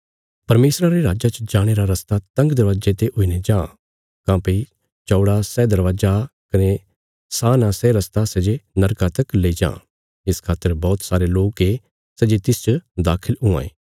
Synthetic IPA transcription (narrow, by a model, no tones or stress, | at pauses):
pɐɾmeːsɾaɾeɾaːd͡ʒat͡ʃd͡ʒaːɽ̃eːɾaɾɐst̪at̪ɐ̃ŋɡd̪ɐɾʋaːd͡ʒet̪eɦʊined͡ʒãː | kãːpei | t͡ʃɔːɽasɛːd̪ɐɾʋaːd͡ʒakɐne | saːnãsɛɾɐst̪asɛd͡ʒenɐɾkat̪ɐkleid͡ʒã̰ː | ɪskʰaːt̪ːəɾbɔːt̪saːɾeloːke | sɛd͡ʒet̪ɪst͡ʃəd̪aːkʰəlɦʊã̰ːḛː